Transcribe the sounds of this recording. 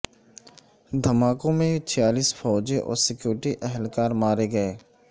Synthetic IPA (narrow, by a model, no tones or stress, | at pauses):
d̪ʱəmaːkõmẽt͡ʃʰɪjaːliːsfɔːd͡ʒeʔɔ̰ːɾsɪkjuːɾɪʈiʔɛɦɛlkaːɾmaːɾeɡəeː